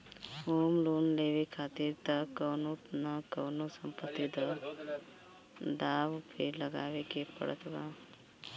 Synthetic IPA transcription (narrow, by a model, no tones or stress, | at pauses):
oːmloːnleːʋekʰaːt̪iɾt̪əkəːnot̪nəkəːnosəmpət̪ːid̪ə | d̪aːʋpʰɪɾləɡa̰ːʋekepə̰ɽə̰t̪ba